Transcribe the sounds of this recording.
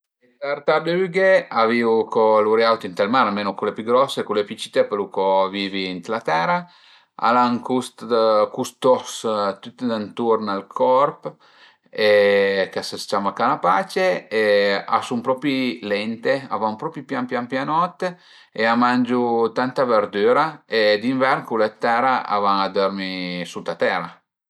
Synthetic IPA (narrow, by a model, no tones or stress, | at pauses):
daɾt̪aɾd̪eyɡeaviukoluɾjawt̪int̪almaɾalmeːnokulepyɡɾɔsːekulepit͡ʃi̥t̪epelukoviviːnt̪lat̪ɛɾa | a̰laŋkust̪kust̪ɔst̪ut̪ːd̪ant̪uɾnalkʰɔrp | ekasəst͡ʃamakanapat͡ʃeea̰sumpɾɔpilɛnt̪ea̰vaŋpɾɔpipjampjampjanɔt̪ː | eamand͡ʒut̪ant̪aveɾd̪yːɾaed̪iɱvɛɾnkulet̪ɛɾaa̰vaŋad̪øɾmisut̪at̪ɛɾa